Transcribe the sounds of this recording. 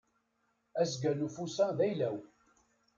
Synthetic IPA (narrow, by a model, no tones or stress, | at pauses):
æsɡænufusæðæjlæw